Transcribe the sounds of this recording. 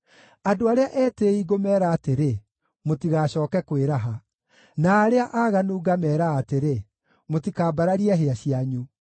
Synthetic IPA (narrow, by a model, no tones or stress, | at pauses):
adoaɾeaʔɛːteːiɡomɛːɾaːteɾe | motiɣaɕɔːkɛkweɾaɦa | naːɾeaʔaɣanuːɡamɛːɾaːteɾe | motikaːbaɾaɾiɛɦeaɕiaɲu